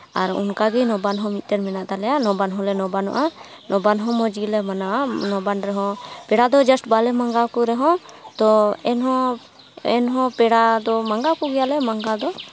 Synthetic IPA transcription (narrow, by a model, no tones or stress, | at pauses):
aɾṵnkaɡɛnɔbanɦɔ̃mit̪̚t̪ɛɾmɛnaʔd̪alɛjanɔbanɦɔ̃lɛnɔbanɔ̰ʔa | nʔɔbanɦɔmɔd͡ʒilɛmananɔbanɾɛɦɔ̃pɛɽad̪ɔd͡ʒasʈbalɛmaŋɡawkuɾɛɦɔ̃t̪ɔɛnɦɔ | ɛnɦɔ̃pɛɽad̪ɔmaŋɡakuɡɛjalɛmaŋɡad̪ɔ